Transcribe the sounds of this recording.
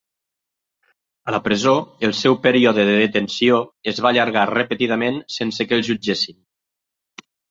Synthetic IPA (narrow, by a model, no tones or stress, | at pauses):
ələpɾəzoəlˠsɛwpəɾiɔðəðəðət̪ənsioəzβaʎəɾɣarəpət̪iðəmensensəkəlˠʒud͡ʒesin